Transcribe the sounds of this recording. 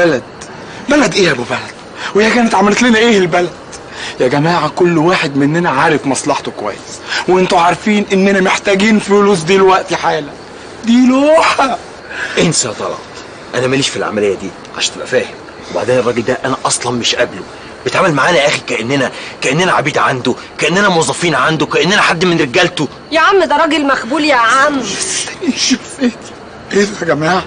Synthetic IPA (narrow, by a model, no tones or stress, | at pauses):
bælæd̪ | bælæd̪ʔeːʔæbubælæd̪̥ | weːhækæːnet̪ʕamælt̪lenæʔeːelbælæd̪̥ | jæɡæmæːʕakolːwaːħed̪menːænæʕaːɾefmɑsˤlɑħt̪okowæ̰jːesweʔent̪oʕɑɾˤfiːnʔenːænæmeħt̪æːɡiːnfoluːs̬d̪iːlwæʔt̪iħaːlæ | d̪iːloːħæ | ʔensæt̪ˤɑlɑ̰ʕɑt̪ˤ | ʔænæmæliːʃfilʕa̰mælejːæd̪iːʕa̰ʃæːnt̪ebʔæ̰fæːhem | weba̰ʕd̪eːnerˤːɑɡeld̪æʔænæʔɑsˤlɑnmeʃʔæblo | b̥et̪ʕaːmælmaʕaːnæʔæxikæʔenːænækæʔenːænæʕabiːd̪ʕand̪o | kæʔenːænæmowɑzˤːɑfiːnʕand̪okæʔenːænæħad̪ːmenɾeɡælt̪o | jæʕamːed̪ɾˤɑːɡelmæxbuːljæʕanææliʃfet̪ | ʔeæɡæmaːʕ